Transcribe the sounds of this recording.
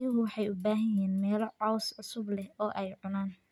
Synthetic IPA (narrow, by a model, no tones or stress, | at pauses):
jɪɣʊwɑħɑjʊbaːɦɐjɛːnmɛːlɔʕɑwsʕʊsʊblɛɔːʔɛjʕʊnaːn